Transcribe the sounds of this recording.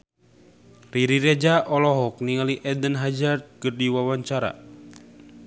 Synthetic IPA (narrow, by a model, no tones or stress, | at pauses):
riɾiɾɛd͡ʒaʔɔlɔɦɔk̚niŋaliʔɛdənɦad͡ʒard̪̚kərdiwawaɲt͡ʃaɾa̰